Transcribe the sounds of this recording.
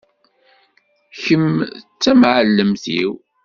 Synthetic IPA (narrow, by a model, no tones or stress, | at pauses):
çəmt͡sːæmʕəlːəmθḭw